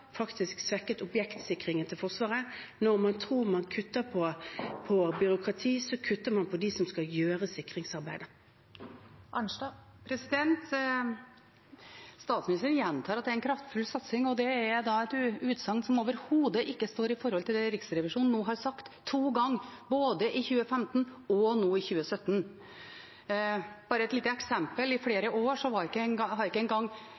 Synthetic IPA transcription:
fɑkt̪ɪsksʋɛkːət̪ʊbjɛkt̪sɪkʁɪŋənt̪ʰɪlfɔʁʂʋɑːʁənɔʁmɑnt̪ʰʁuːʁmɑnkʰʉt̪ːəpʰɔpʰɔbʏɾʊkʰʁɑt̪ʰiːsɔkʰʉt̪ːəʁmɑnpʰɔd̪isɔmskɑljøːʁəsɪkʁɪŋsɑʁbæɪd̪ə | ʔɑn | pʰɾɛsɪd̪ɛnt̪ | st̪ɑːt̪smɪnɪst̪ɾnjɛnt̪ʰɑːɾɑt̪d̪ɛæɾɛnkʰɾɑft̪fʉlsɑt̪sɪŋɔd̪ɛæːd̪ɑɛt̪ːʉːt̪sɑŋnsɔmoːʋəɾhuːd̪əʔɪkːəst̪oːɾɪfɔɾhɔlt̪ʰɪld̪ɛɾɪksɾɛʋɪʂuːnn̩oːɦɑɾsɑkt̪ʰːuːɡɑŋːboːd̪əʔɪçʉːəfɛmt̪n̩ɔnoːɪçʉːəsœt̪ːn | b̥ɑːɾəɛt̪liːt̪əɛksɛmpəlɪfɽeːɾəʔoːʂɔʋɑɾɪkːənhɑɾɪkːəɛnɡɑŋː

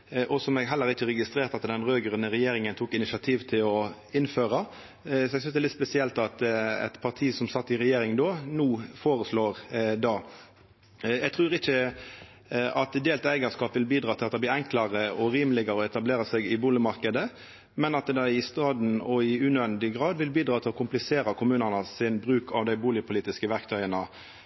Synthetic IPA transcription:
ʔɔsɔmɛɡɦɛlːəɾɪçːəɾɛɡɪst̪ɾeːɾt̪ɑt̪d̪ɛnɾøːɡəɾənəɾɛjeːɾɪŋənt̪ʰuːkɪnɪsɪɑt̪ʰiːʋt̪ʰɪlɔ | ɪnføːɾɑ | sɔɛɡsʏnsd̪ɛlɪt̪spɛsɪɛlt̪ɑt̪ɛ̰t̪pʰɑʁt̪ʰiːsɔmsɑt̪ːɪɾɛjeːɾɪŋd̪oːnuːfoːɾəsloːɾd̪ɑː | jɛɡt̪ʰɾʉːɾɪçə | ɑt̪d̪eːlt̪æɪɡəskɑːpʋɪlbiːd̪ɾɑːt̪ʰɪlɑt̪d̪ɛb̪liːɾɛŋkləɾəʔɔɾiːmlɪɡəɾəɔɛt̪ɑbleːɾəsɛɡɪbuːlɪmɑɾkəd̪ə | mɛnɑt̪d̪ɑɪst̪ɑːd̪n̩ɔɪʉnɛnd̪ɪɡɾɑːd̪ʋɪlbiːd̪ɾɑːt̪ʰɪlɔkʰʊmplɪseːɾəkʰʊmʉːnənəsɪnbɾʉːkʰɑʋd̪æɪbuːlɪəpʰʊliːt̪ɪskəʋæɾkt̪ʰœʏənə

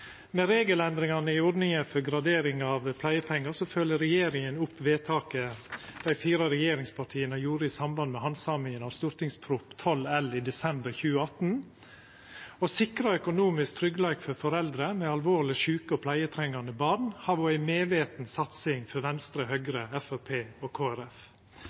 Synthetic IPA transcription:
mɛɾeːɡəlɛnd̪ɾɪŋɑnəɪʊɖnɪŋəfɔɾɡɾɑd̪eːɾɪŋɑʋpʰlæɪəpʰɛŋːɑsɔfœlːəɾɛjeːɾɪŋənʊpːʋeːt̪ʰɑːkəd̪̥æɪfiːɾɑɾɛjeːɾɪŋspʰɑʈʰiːənəjuːɾəɪsɑmbɑnd̪mɛhɑnsɑmɪŋənɑʋst̪ʊɾt̪ɪŋspʰɾuːpt̪ʰɔlɛlid̪ɛsɛmbəɾçʉːəɑt̪n̩ | ɔsɪkɾɑœkʊnuːmɪsk̚t̪ʰɾʏɡlɑːɡfɔɾfɔɾɛld̪ɾəmɛɑlʋoːɾlɪʃʉːkəɔpʰlæɪət̪ʰɾɛŋːɑnəbɑɳhɑːʋɔæɪmeːʋeːt̪n̩sɑt̪sɪŋfɔɾʋɛnst̪ɾəɦœɡɾəɛfæpʰeːɔkʰoːæɾɛf

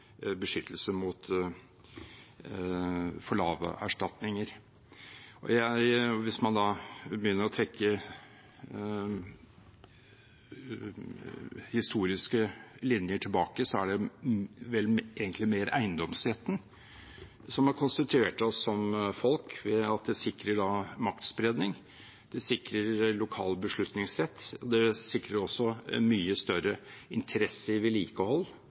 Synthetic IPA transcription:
bəʂʏt̪ʰːəlsəmʊt̪ | fɔɭɑːʋə̰ʔæʂʈɑt̪nɪŋəɾ | ʔɔ̰jæʋɪsmɑnd̪ɑbəjʏnːəɾɔt̪ʰɾɛkʰːə | hɪst̪uːɾɪskəlɪnjəʈʰɪlbɑːkəsɔæɖɛ | ʋɛleːɡənt̪lɪmeːɾæ̰ɪənd̪ɔmsɾɛt̪ːn̩ | sɔmæɾkʰʊnst̪ɪt̪ʰʉeːʈɔsːɔmfɔlkʋɛɑt̪̚d̪ɛsɪkɾəɖɑmɑkt̪sbɾeːd̪nɪŋ | d̪̥ɛsɪkɾəɾlʊkʰɑ̰ːlbəʂɭʉt̪nɪŋsɾɛt̪ʰːɔd̪ɛsɪkɾəɾɔsːɔmyːəst̪œɾəɪnt̪ʰəɾɛsːəʋɪliːkəhɔlː

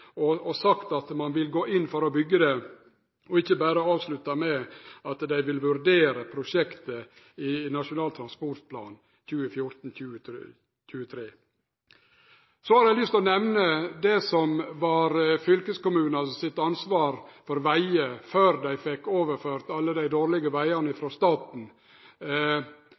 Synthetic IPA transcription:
ɔɔsɑkt̪ɑt̪mɑnʋɪlɡoːʔɪnːfɔɾɔbʏɡːəd̪ɛ | ɔɪçːəbæːɾəɑːʋslʉt̪ːɑmɛɑt̪d̪æɪʋɪlʋʉɾd̪eːɾəpʰɾʊʂɛkt̪ə | ɪnɑʂʊnɑːlt̪ʰɾɑnspɔɾt̪̚pʰlɑ̰ːn | çʉːəfjʊɾt̪n̩çʉːə | c͡çʉːət̪ʰɾeː | soːhɑɾæɪlʏst̪ɔnɛʋnəd̪ɛsɔmʋɑɾfʏlkəskʊmʉːnɑsɪt̪ːɑnsʋɑːɾfɔɾʋæɪəføːɾd̪æɪfɛkːoːʋəɾføːɾt̪ɑlːəd̪æɪd̪oːɾɭɪɡəʋæɪɑnəɪfɾoːst̪ɑːt̪n̩

